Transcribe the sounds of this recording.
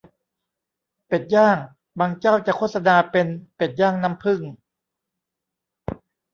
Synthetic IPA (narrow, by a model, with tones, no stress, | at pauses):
pe˨˩t̪̚jaː˥˩ŋ | baː˧ŋt͡ɕaː˥˩wt͡ɕa˨˩kʰoː˥˩t̪̚sa˧naː˧pe˧npe˨˩t̪̚jaː˥˩ŋna˦˥˩mpʰɯ˥˩ŋ